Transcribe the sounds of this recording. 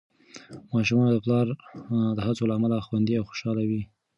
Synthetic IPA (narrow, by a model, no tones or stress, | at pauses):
mɑʃumɑnod̪əplɑɾd̪əɦat͡solaːmalaxwand̪iawxo̥ʃɑlawi